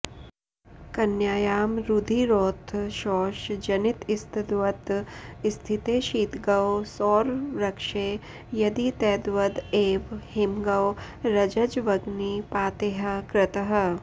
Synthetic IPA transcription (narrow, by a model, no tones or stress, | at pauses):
kɐnjaːjaːmɾud̪ʱiːɾoːt̪ʰʃɔːʃd͡ʒɐnɪt̪ɪst̪ʰd̪ʋɐt̪ɪst̪ʰɪt̪eːʃiːt̪ɡɐwsɔːɾɾɐkʃeː | jɐd̪it̪ɛːd̪ʋɐd̪eːʋhɪmɡɐw | ɾɐd͡ʒɐd͡ʒʋɐɡnipaːt̪eːɦɐkɾɪt̪əɦə̆